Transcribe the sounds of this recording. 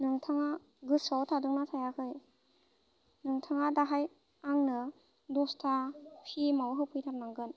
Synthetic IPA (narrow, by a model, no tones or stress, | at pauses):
nɯŋtʰaŋa | ɡɯsɔwtʰadɯŋnatʰajakʰɯj | nɯŋtʰaŋadaɦaj | aŋnɯ | dɔstʰahʰimawɦɯwpʰɯjtʰaɾ̚naŋɡɯn